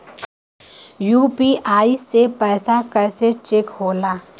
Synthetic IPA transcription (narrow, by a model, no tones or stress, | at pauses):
juːpiʔaːisepɛːsakɐːset͡ʃekɦoːlaː